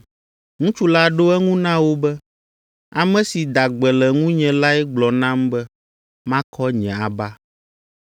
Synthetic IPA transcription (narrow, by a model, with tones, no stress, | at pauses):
ŋũ˦t͡ʃu˦la˦ɖo˦ɛ˦ŋũ˦nã˦wo˦bɛ˦ | a˨mɛ̃˦si˨d̪a˨ɡ͡bɛ˨lɛ˨ŋũ˦ɲɛ̃˨la˦ɛ˦ɡ͡blɔ˨nã˦mbɛ˦ | mã˦kʰɔ˦ɲɛ̃˨a˨ba˦